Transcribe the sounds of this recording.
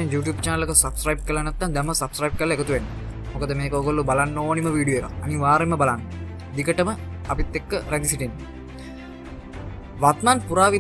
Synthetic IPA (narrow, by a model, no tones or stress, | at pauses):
enjuːʈjuːbt͡ʃanəlekəsɐbskɾajb̚kəlːanɛt̪ːand̪ɛmːəsabskɾajb̚kəlːaekət̪uʋenːə | mokəd̪əmeːkəoɡolːubalanːoːniməʋiːɖijoeka̰ɐniʋaːɾemːəbalanːə | d̪ikəʈəməapit̪ːekːəɾænd̪isiʈinːe | ʋat̪manpuɾaːʋi